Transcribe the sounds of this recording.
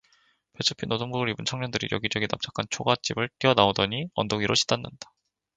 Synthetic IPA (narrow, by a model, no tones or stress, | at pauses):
pe̞t͡ɕʰɯpʰinodoŋɡbuɡɯɾibɯnt͡ɕʰʌŋɲʌndɯɾḭjʌɡid͡ʑʌɡinam̚t͡ɕ͈ʰakʰant͡ɕʰoɡat͡ɕ͈ibɯɭt͈iʌnaodʌɲiʌndoɡiɾoɕʰi̥danːand̥ḁ